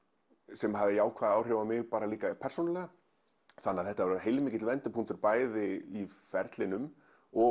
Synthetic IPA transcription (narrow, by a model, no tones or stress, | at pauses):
sɛmɦavðɪjaːwkʰvaːðaːwr̥ɛvamɪɣpaːɾaliːkapʰɛr̥sownalɛɣa | θanːaðθɛht̪avɛɾɦejlmiːcɪt̪lvɛnt̪ɪpʰuŋ̥t̪ʏɾpaːjðɪifɛɾt̪lɪnʏm | ɔ